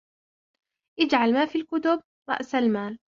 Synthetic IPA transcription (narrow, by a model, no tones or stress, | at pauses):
ʔɪd͡ʒʕalmaːfiːlkʊt̪ʊb̚ | ɾˤɑ̰ʔsalmaːl